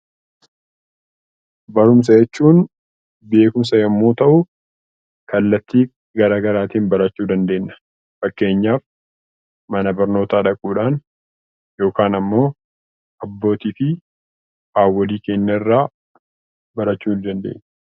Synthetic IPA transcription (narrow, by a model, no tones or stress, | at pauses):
bɐɾʊms̬ɐjɛt͡ʃːuːn | be̞ːkʊms̬ɐjɐmːoːt̪ɐʔʊ | kɐlːɐt̪ːiː | ɡɐɾaːɡɐɾaːt̪iːnbɐɾɐt͡ʃːuːd̪ɐnd̪e̞ːnːɐ̥ | fɐkːe̞ːɲːaːf | mɐnɐbɐɾno̞ːt̪aːᶑɐkʼuːᶑaːn | jo̞ːkaːnɐmːo̞ː | ɐbːo̞ːt̪iːfɪ | aːwːɔliːke̞ːnːɐɪrːaː | bɐɾɐt͡ʃːuːnd̪ɐnd̪e̞̰ːɲː